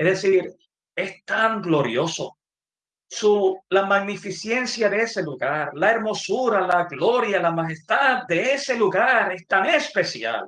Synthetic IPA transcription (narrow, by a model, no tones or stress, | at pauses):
ehðesiɾ | e̞st̪aŋɡlo̞ɾjo̞so̞̰ | sulamaɣnifisje̞nsjaðeese̞luɣaɾlae̞ɾmo̞suɾalaɣlo̞ɾjalamaxe̞st̪add̪e̞ese̞luɣaɾe̞st̪aŋespe̞sja̰l